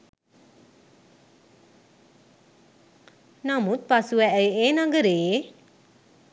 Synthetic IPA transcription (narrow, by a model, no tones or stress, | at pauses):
namut̪̚pasuɛʔəjeːnaɡəɾeː